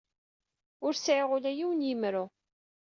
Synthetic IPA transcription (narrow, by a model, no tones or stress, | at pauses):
ʊɾsʕɪʁʊlæjiwənjimɾʊ